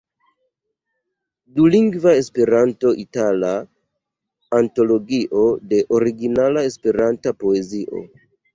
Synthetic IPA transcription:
duliŋɡvae̞spe̞ɾanto̞ʔitala | anto̞lo̞ɡiʔo̞de̞ʔo̞ɾiɡinalae̞spe̞ɾantapo̞e̞ziʔo̞̰

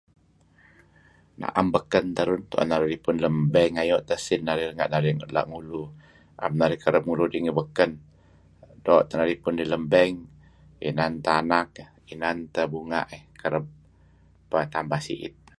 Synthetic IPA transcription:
na̰ʔambəkənt̪əɾʊnt̪uʔa̰nːaɾiɾipʊnləmbəŋajɔʔt̪əsinːaɾiɾəŋa̰ʔnaɾiŋla̰ʔŋulu | ʔa̰mnaɾikəɾəp̚ŋuludiŋibəkən | dɔʔt̪ənaɾipʊndiləmbəŋ | ḭnant̪əanak̚ | inant̪əbuŋa̰ʔehkəɾəp̚ː | ət̪ambasḭʔḭt̪̚

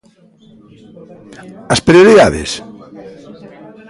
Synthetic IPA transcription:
aspɾioɾiðaðḛs

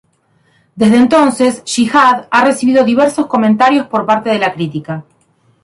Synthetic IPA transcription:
d̪e̞zðeːnt̪o̞nsesʃixaðare̞siβiðo̞ðiβ̞eɾso̞sko̞mẽnt̪aɾjo̞spo̞ɾpaɾt̪e̞ð̞e̞lakɾit̪ika

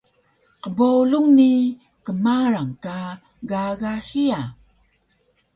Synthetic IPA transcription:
qəboluŋni | kəmaɾaŋka | ɡaɣaɕia

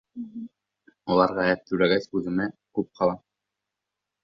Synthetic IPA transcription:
ɒlˠɑɾʁæjæt̪̚t̪ːɵlæɡæsʉðɘ̆mækʉp̚qʰɑlˠɑ

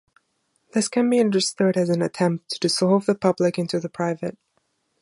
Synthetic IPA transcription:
ðɪskʰɨ̃nbiʌ̃ndə˞stʊɾɨzɨ̃nɨtʰɛ̃mp̚tʰɨsɔlˠvðəpʰʌblɪkɪ̃ntʉðəpʰɹ̥aɪvɨt̚

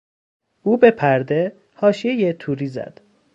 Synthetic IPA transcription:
uːbe̞pʰæɾd̪e | hɒːʃijejet̪ʰuːɾiːzæ̰d̪̥

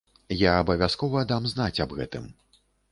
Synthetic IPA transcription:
jaːbɐvʲaskɔvɐd̪amznat͡sʲɐbɣɛ̰t̪ɨ̰m

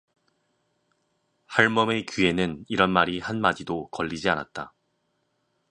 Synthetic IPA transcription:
haɭmʌme̞kie̞nɯniɾʌnmaɾihanmad͡ʑidokʌʎːid͡ʑiana̰t̚t͈a

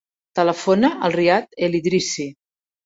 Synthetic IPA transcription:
t̪ələfonəʔəlˠriat̪eliðɾisi

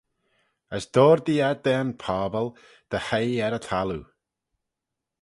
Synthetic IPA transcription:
əsd̪̥ɔːɾd̪iad̪ɛnpʰaːbəlˠ | d̪̥əhejɛɾət̪ʰalu

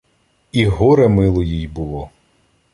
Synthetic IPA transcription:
iɦɔɾɛmɪlˠɔjijbʊlˠɔ

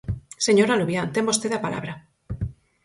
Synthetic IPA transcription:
seɲoɾaluβjant̪embost̪eðapala̰βɾa

